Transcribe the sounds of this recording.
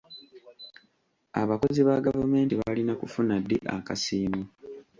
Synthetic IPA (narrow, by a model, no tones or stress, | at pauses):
a̰βako̞ziβaɡavume̞ːntiβalinakufunadːḛʔa̰kasiːmu